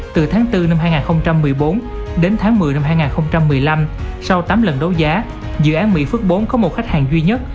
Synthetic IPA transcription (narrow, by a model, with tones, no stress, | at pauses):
t̪ɨ˨˩t̪ʰaː˨˦ŋt̪ɨ˧na˧mɦaː˧jŋaː˨˩nxə˧wŋ͡mt͡ɕa˧mːɨ˨˩əjɓo˨˦n | ɗe˨˦nt̪ʰaː˨˦ŋmɨ˨˩əjna˧mɦaː˧jŋaː˨˩nxə˧wŋ͡mt͡ɕa˧mːɨ˨˩əjla˧msa˧wt̪aː˨˦mlə˨˩nɗo˨˦zaː˨˦ | zɨ̰˧˨ʔaː˨˦nmḭ˧˥fɨ˦˥ək̚ɓo˨˦nkɔ˨˦mo˨˩t̚xa˦˥k̚haː˨˩ŋzwi˧ɲə˦˥t̚